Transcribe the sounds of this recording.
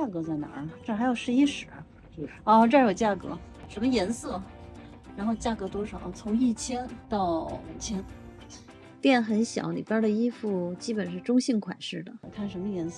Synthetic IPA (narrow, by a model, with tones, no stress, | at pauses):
a˥˩kɤ˧˥t͡sa˥˩ɪna̰˧˥ʈ͡ʂɤ˥˩xa˧˥ɪjo˨˩ʂɻ̩˧˥i˥ʂɻ̩˧˩˥ | ɔ˥˧ʈ͡ʂɤ˥˩˥jo˨˩t͡ɕja˥˩kɤ̰˧˥ | ʂə˧˥mə˧jɛ˧˥nsɤ˥˩ | ɻa˧˥nxo˥˧ʊt͡ɕja˥˩kɤ˧˥t̪wɔ˥ʂɑ˨˩˦t͡sʰʊ˧˥ŋi˥˩t͡ɕʰjɛ˥nt̪ɑ˥˩ʊmu˨˩t͡ɕʰjɛ˥n | t̪jɛ˥˩nxə˧˥nɕjɑ̰˨˧˥ʊlḭ˨˩pa˥d̪ə˨i˥fu˥˩t͡ɕi˥pə˨˩nʂɻ̩˥˩ʈ͡ʂʊ˥ŋɕi˥˩ŋkʰwa̰˨˩nʂɻ̩˥˩d̪ə˩˨˩kʰa˥˩nʂə˧˥mə˧jɛ˧˥ns